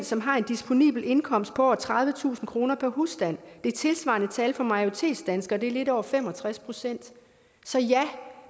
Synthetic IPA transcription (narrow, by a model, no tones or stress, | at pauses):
nsɒ̽mɦɑ̈e̝nd̥isb̥o̝nḭːb̥l̩e̝nkʰɒ̽m̰sd̥̚pʰɒ̽ɒʊ̰ɐt͡sʰʁɑ̈ðˠʋət͡sʰṵːsn̩kʰʁo̝ːnɐpʰæɐɦusd̥æn̰d̥e̝ɐt͡sʰe̝lsʋɑ̈nət͡sʰɛːlfɒ̽mɑ̈ɪo̝t͡sʰe̝̰̥ːsd̥ænsɡ̥ɐd̥e̝æɐle̝d̥ɒʊ̰ɐfem̰ɒ̽t͡sʰʁaspʰʁo̝sen̰d̥ | sɒ̽jæ